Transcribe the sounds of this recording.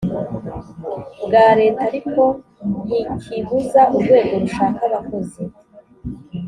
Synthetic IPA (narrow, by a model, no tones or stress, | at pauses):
bɡaːɾe̞ːtaɾikʰo̞ | n̥ikʰiβuzaʔuɾɡwe̞ːɡo̞ɾuʃaːkaβakozi